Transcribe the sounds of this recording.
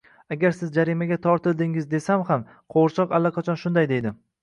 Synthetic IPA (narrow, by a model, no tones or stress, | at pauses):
aɡʲaɾsɪzd͡ʒaɾimaɡʲat̪ʰɒɾt̪ʰɪld̪ɪŋɪzd̪e̞samam | qʰoɾt͡ʃʰɒqalːaqʰɑt͡ʃʰɒnʃʊnd̪ajd̪e̞jd̪ɪ